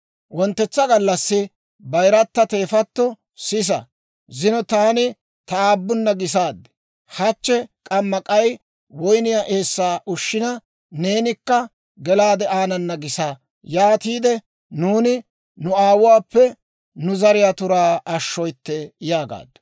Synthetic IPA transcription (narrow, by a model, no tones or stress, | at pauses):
wɔnt̪ːɛt͡sːɐɡɐlːɐsːɪ | bɐjɾɐt̪ːɐt̪e̞ːfɐt̪ːɔ | sɪs̬ɐ̰ | zɪnɔt̪aːnɪ | t̪ɐaːbːʊnːɐɡɪs̬aːd̪ːɛ̥ | hɐt͡ʃːɛkʼɐmːɐkʼɐj | wɔjnɪjaʔe̞ːsːaːʔʊʃːɪnɐ | ne̞ːnɪkːɐ | ɡɛlaːd̪ɛaːnɐnːɐɡɪsa | jaːt̪iːd̪ɛ | nuːnɪ | nʊaːwʊwaːpːɛ | nʊzɐɾɪjat̪ʊɾaːɐʃːɔjt̪ːɛjaːɡa̰ːd̪ː